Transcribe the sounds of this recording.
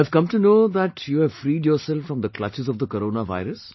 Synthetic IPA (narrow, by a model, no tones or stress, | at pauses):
ɛv̥kʌ̃mʈunoːd̪æʈʰjuːɛvfɾiːɖjɔːɾsɛlfɾɔ̃md̪əklʌt͡ʃɪzɔvd̪əkəɾoːnaʋa̰ɪɾəs